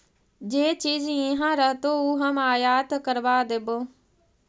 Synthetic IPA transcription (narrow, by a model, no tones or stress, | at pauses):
d͡ʒeːt͡ʃiːd͡ʒɪ̃ɦãːɾəɦt̪oːuːɦəmaːjaːt̪kəɾʋaːd̪eboː